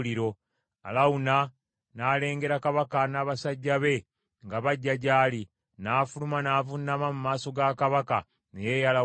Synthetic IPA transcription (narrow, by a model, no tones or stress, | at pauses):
liɾo̞ | a̰launa | naːle̞ːŋɡe̞ɾakaβakanaːβasaɟːaβe̞ | ŋɡaβaɟːaɟaːli | naːfulumanaːvunːamamumaːso̞ɡakaβaka | nejejala